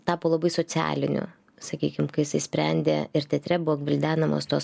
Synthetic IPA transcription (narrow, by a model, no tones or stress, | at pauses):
t̪ɑːpoːlˠɐbɐɪsoːt͡ssʲɪæ̰ːlʲɪnʲʊ̰ | sɐkʲiːkʲɪmkɐɪjɪsɐɪsʲpʲɾʲɛnʲd̪ʲḛɪɾt̪ʲɛt̪ʲɾʲɛbʊoːɡʋʲɪlʲd̪ʲæːnɐmo̰ːst̪oːs